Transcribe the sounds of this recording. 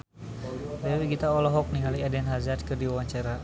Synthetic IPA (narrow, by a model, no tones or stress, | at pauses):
dɛawiɡit̪aɔlɔɦɔk̚niŋaliadɛnɦazat̪̚kərdiwawaɲt͡ʃaɾa